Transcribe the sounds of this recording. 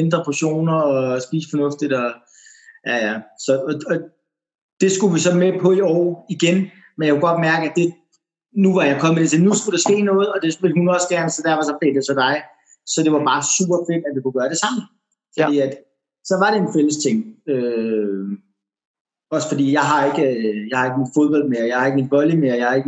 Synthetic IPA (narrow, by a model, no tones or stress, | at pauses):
end̥ʁɐpʰoɕo̝̰ːnɐɒsb̥ḭːsə̥fɒ̽nɔ̽fd̥id̥ɒ̽ | jæjæsɒ̽ːɒ̽ | d̥e̝sɡ̥uʋisɒ̽mepʰɒ̽iɒːiɡ̥en | menjɑkʰeɡ̥ɒ̽d̥mæɐɡ̥əæd̥e̝ | nuʋɑ̈jɑɪkʰɒ̽məd̥et͡sʰe̝nusɡ̥uɾ̥ɑ̈sɡ̥e̝̰ːnɔ̽ːð̞̩ˠɒ̽d̥e̝ʋe̝lɦunɒ̽səɡ̥æɐnəsɒd̥æɐfɒ̽sɒ̽b̥le̝̰ːd̥esʰɒ̽d̥ɑ̈ɪ | sɒ̽d̥e̝ʋɑ̈b̥ɑ̈ːsṵːb̥ɐfe̝d̥æd̥ekʰuɡ̥ɶːɐɾ̥e̝sɑ̈m̰n̩ | fɒ̥̽ḭːæd̥ | sɒ̽ʋɑ̈ɾe̝enfel̰əst͡sʰe̝ŋ̰ø | ɒ̽sə̥fɒ̽d̥ḭːjɑ̈ɪɦɑ̈e̝ɡ̥əjɑ̈ɪhɑ̈e̝ɡ̥əminfo̝ð̞ˠb̥ɒ̽l̰d̥̚meɐjɑ̈ɪhɑ̈e̝ɡ̥minʋɒ̽ljəmeɐjɑ̈hɑ̈e̝ɡ̥ə